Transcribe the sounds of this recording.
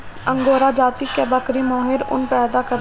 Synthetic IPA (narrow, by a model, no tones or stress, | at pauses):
ɐ̃ŋɡoːɾad͡ʒaːt̪ikebɐkɾimɔːɦɪɾʊ̰npɛːd̪akɐɾ